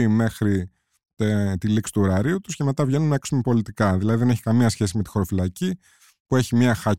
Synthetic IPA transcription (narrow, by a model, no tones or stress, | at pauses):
me̞xɾi | t̪et̪iliksi̥t̪uo̞ɾɐɾiut̪u̥sce̞me̞t̪ɐvʝe̞nunːɐeksume̞po̞lit̪ikɐðilɐðiðe̞ne̞çi̥kɐmiɐsçe̞sime̞t̪i̥xo̞ɾo̞filɐci | pue̞çimɲɐxɐ